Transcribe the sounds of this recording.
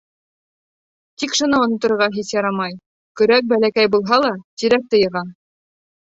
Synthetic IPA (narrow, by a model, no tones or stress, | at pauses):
t̪ikʃŏnɤŏnɤ̆t̪ːŏɾɤ̆ɾʁɑɦiθjɑɾɑmɑj | kɵ̆ɾæk̚bælækæjbulˠɦɑlˠɑt̪iɾæk̚t̪ɤ̆jɤ̆ʁɑ